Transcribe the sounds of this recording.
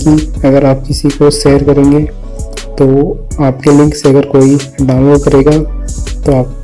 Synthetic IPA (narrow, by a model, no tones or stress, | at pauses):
kiɐɡəɾaːp̚kɪsikoʃeːəɾkɐɾẽːŋɡeː | t̪oːaːpkelɪ̃ŋkseɐɡəɾkoːi | ɖaːʊ̃nloːɖ̚kɐɾeːɡaːt̪oaːp̚